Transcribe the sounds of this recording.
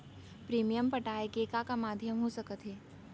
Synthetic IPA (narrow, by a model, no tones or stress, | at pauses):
pɾiːmijəmpɐʈaːekeːkakamaːd̪ʱjəmɦosɐkət̪ɦeː